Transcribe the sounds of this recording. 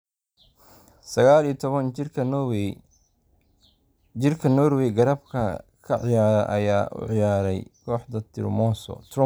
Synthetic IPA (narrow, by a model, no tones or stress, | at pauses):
sɐɣaːlijt̪ʰɔβɐn | ɪrkʰɐnɔrwɛjɡɐɾɐbkʰɐkʰɐʕɪjaːɾɐʔɐ̰jaːʔʊ̰ʕɪjaːɾɛjkʰɔːħd̪ɐt̪ʰɪ̰rmɔːsɔ̰t̪ʰrɔ